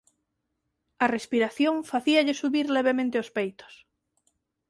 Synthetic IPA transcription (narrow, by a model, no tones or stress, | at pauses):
ɐrespiɾaθjoŋfaθiaʎesuβiɾleβ̞emẽnt̪eospejt̪o̥s